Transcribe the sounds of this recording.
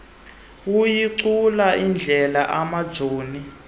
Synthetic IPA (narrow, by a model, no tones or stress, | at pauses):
wujiǀulaind͡ɮʱɛlaʔamad̥z̥ʱoːni